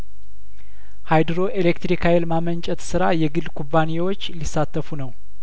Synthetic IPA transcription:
hajd̪ɨɾo̞ʔelekt̪ɾikʰajɪlmamənt͡ʃʼɛt̪sɨɾajɛɡɨlkʰubːanewot͡ʃːlisːat̪ʰːəfunəw

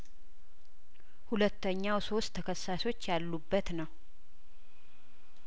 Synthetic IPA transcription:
hulət̪ːəɲːawso̞st̪ʰːəkʰəsːaso̞t͡ʃːjalːubːət̪nəw

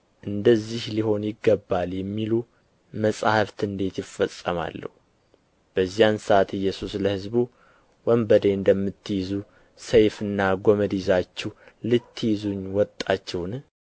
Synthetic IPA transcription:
ʔɨnd̪əzːihliho̞njɪɡːəbːaljɛmːilu | məsʼahft̪ɨnd̪e̞t̪jɪfəsʼːəma̰lːə̰hu | b̥əzːijansəʔat̪ɨjːɛsusləhɨzbu | wəmbəd̪eɨnd̪əmːɨt̪ːjizu | səjfɨnːaɡo̞məd̪izat͡ʃːɛwlɨt̪ʰːɨjizuɲwɔt̪ʼːat͡ʃːɛwn

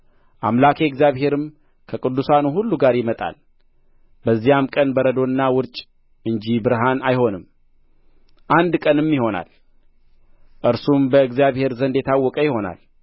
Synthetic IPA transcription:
ʔa̰mlakʰe̞ɨɡzjaβɦe̞ɾɨm | kʰəkʼɨd̪ːusanuhulːuɡaɾjɪmət̪ʼa̰l | bəzːijamkʼənbəɾəd̪o̞nːawʊɾt͡ʃʼ | ʔɨɲd͡ʒibɨɾɦanajho̞nɨm | ʔand̪kʼənɨmːɪho̞na̰l | ʔɨɾsumbəɨɡzijaβhe̞ɾzənd̪jɛt̪ʰawːɔkʼəjɪho̞na̰l

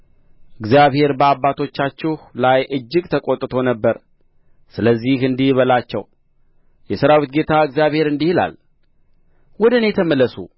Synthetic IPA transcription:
ʔɨɡzijaβhe̞ɾbəabːat̪ʰo̞t͡ʃːat͡ʃːɪhlajʔɨd͡ʒːɪɡt̪ʰəkʼot̪ʼːɨt̪ʰo̞nəbːəɾ | sɨləzːihɨnd̪ijβəlat͡ʃːɛw | jɛsəɾawit̪̚ɡe̞t̪ʰaɨɡzijaβhe̞ɾɨnd̪ihɨla̰l | wɔd̪ənet̪ʰəməlːəsṵ

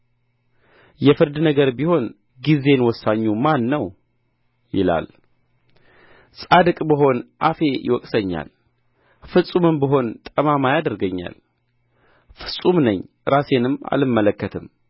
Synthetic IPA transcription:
jɛfɨɾd̪nəɡəɾbiho̞n | ɡize̞nwɔsːaɲːumanːəw | jɪ̰la̰l | sʼad̪ɨkʼbəɦo̞nʔafe̞jɪ̰wɔkʼsəɲːa̰l | fɨsʼumɨmbəɦo̞nt̪ʼəmamajad̪əɾɡəɲːa̰l | fɨ̥sʼumnəɲː | ɾase̞nɨma̰lɨmːələkːət̪ʰɨm

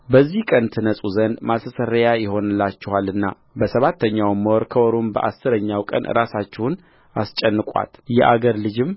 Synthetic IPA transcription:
bəzːihkʼənt̪ʰɨnəsʼuzənd̪masəsəɾəjajɪho̞nɨlːat͡ʃːɛhalɨnːa | bəsəβat̪ʰːəɲːawmːəwɔɾkʰəwɔɾombə̰ʔasːɨɾəɲːawkʼə̰nʔɨ̰ɾasat͡ʃːɛhʊn | ast͡ʃʼɛnːɨkʼa̰t̪jɛ̰ʔa̰ɡəɾlɨd͡ʒɪm

